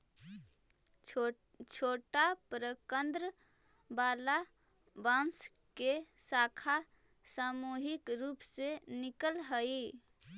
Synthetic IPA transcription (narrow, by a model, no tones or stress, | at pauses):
t͡ʃʰoːʈapɾəkənd̪ɾə | bala | bãns | kesakʰa | samuɦikɾuːpsenikəlɦəi